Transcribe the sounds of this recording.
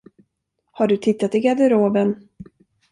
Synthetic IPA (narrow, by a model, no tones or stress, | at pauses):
haɖɵt̪ʰɪt̪ːat̪ɪɡad̪əɾoːbən